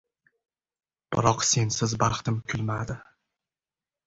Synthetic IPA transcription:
b̥ɪɾɒqse̞nsɪzbɑχt̪ɪmkʲʰʊlmad̪ɪ

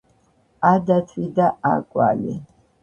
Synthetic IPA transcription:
ad̪at̪ʰwid̪aakʼwa̰lḭ

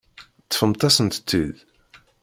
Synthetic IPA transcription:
t̪ːə̥fəmt̪ˤɑsənt̪t͡s̪ːið

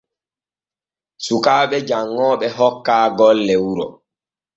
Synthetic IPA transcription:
sukaːɓɛd͡ʒaŋːɔːɓɛɦɔkːaːɡɔlːɛwuɾɔ̰

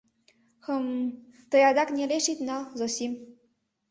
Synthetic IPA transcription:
xɤm | t̪ɤ̆jɑd̪ɑknʲeleʃit̪nɑlzosim

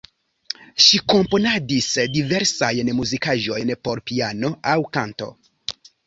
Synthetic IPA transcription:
ʃikompo̞nadisdiveɾsajnmuzikaʒo̞jnpoɾpiano̞awkanto̞̰

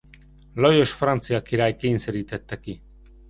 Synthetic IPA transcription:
lojoʃfɾant͡siakiɾajkeinseɾit̪et̪ːeki

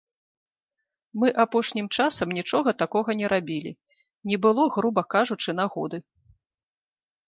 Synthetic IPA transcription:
mɨʔapɔʂnʲimt͡ʂasɐmnʲit͡ʂɔɣɐt̪akɔɣɐnʲɛɾʔabʲilʲḭ | nʲɛbɨlˠɔɣɾubɐkaʐut͡ʂɨn̪aɣɔ̰d̪ɨ

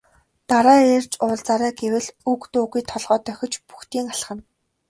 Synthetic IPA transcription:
t̪aɾaːeːr̥t͡ɕʊːɮt͡saɾæːɡewɘ̆ɮukt̪oːɣujt̪ʰɔɮʁɔːt̪œxʲɪ̆t͡ɕpu̥xt̪iːŋaɬ̆χə̆n

